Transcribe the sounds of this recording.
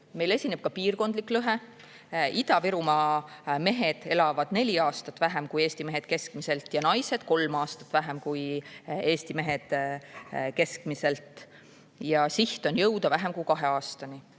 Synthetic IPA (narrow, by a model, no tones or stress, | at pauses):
me̞jle̞sʲine̞b̥̚kɑpiːrko̞nd̪̥likːˑløɦe̞ | id̪̥ɑviɾumɑme̞ɦe̞d̪̥e̞lɑvɑd̪̥ne̞lʲiɑːst̪ɑt̪ːˑvæɦemkuje̞ːsʲt̪ime̞ɦe̞d̪̥̚ke̞skmise̞lt̪ˑjɑnɑjse̞d̪̥ko̞lmɑːst̪ɑ̥t̪ːˑvæɦemkuje̞ːst̪ime̞ɦe̞d̪̥ | ke̞skmise̞lt̪ˑ | jɑsiht̪o̞njɤwd̪̥ɑvæɦemkujkɑɦe̞ɑːst̪ɑni